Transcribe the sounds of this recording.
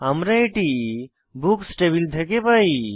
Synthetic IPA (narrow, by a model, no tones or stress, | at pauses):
ɐmɾaiʈi | buksʈebild̪ʱekepai